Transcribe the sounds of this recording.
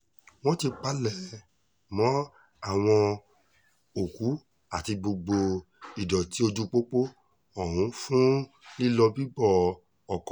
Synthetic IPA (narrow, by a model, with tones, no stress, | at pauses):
w̃ɔ̃˦ti˧k͡pa˨˦lɛ˦˨ | mɔ̃˨˦ | a˦˨w̃ɔ̃˧ | o˨ku˨˦ | a˦˨ti˧ɡ͡bo˧ɡ͡bo˧ | i˨dɔ˨ti˨˦o˧d͡ʒu˦k͡po˦k͡po˦ | ɔ˨ɾũ˨˦fũ˦ | nĩ˦lɔ˧bi˦bɔ˦˨ | ɔ˨kɔ̃˨